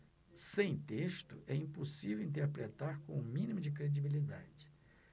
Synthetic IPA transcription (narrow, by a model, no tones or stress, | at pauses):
sẽj̃t̪eʃt̪ʊʔɛĩpusivewĩnt̪̬eɾpɾet̪aɾkõumĩnimʊd͡ʒɪkɾed͡ʒibilid̪a̰d͡ʒɪ̥